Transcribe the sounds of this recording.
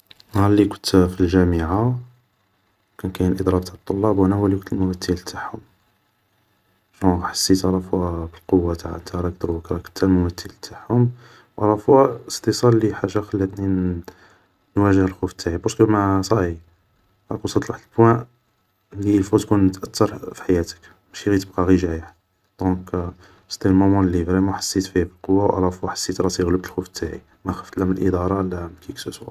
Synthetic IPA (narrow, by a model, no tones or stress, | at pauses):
nɑlːikʊ̥nt̪filʒæməʕa | kænkæjənʔəd̪ˤɾˤɑb̚t̪at̪ˤːolːɑbwænæhuwælikʊnt̪əlmʊmæt̪ːəlt̪ʰaħhʊm | ʃuħḁsːit̪ɑɾˤɑfwæbəlqowːat̪aʕa̰ʔnt̪æɾˤɑk̚d̪ɾuwəkɾˤɑkʊ̥nt̪ælmʊmæt̪ːəlt̪ʰaħhʊm | wʔɑɾˤɑfwæəst̪əsˤɑlːiħaʒːaxælːæt̪ni | nwæʒəhəlxuft̪ːaʕibɑɾskəmæsˤɑʕi | ʔˤɑkusɑt̪ˤlˤɑħt̪əlbwæ̃ʔ | lːilfut̪kunːət̪ʔæt̪ːɑɾˤfi̥ħajæt̪ə̥k | mæʃiɣit̪əb̚qɑɣiʒæjəħ | d̪̥ɔ̃k | st̪ilmomɑnəlibɾimuħḁsːit̪fifilqowːawʔæ̰læfæħḁsːit̪ɾˤɑt̪iɣləb̚t̪əlxuft̪ʰːaʕi | mæxæft̪læməlʔəd̪ɑɾˤɑlːæmkiksəswæ